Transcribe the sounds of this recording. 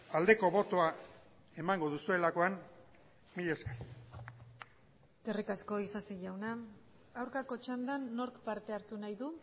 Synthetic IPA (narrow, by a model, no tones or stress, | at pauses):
ald̪e̞ko̞βo̞t̪oa | e̞maŋɡo̞ðusue̞lako̞an | miʎe̞skḁɾi | eske̞rikasko̞isasiʎawna | awɾkako̞t͡ʃand̪anːo̞ɾkpaɾt̪e̞aɾt̪unajðu